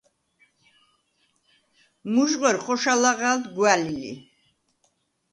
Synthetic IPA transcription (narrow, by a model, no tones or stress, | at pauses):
muʒʁwɛɾχɔʃalaʁald̪ɡwalilḭ